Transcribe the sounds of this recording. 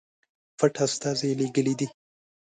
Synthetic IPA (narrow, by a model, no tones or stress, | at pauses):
faʈast̪ɑzeleɡəlid̪i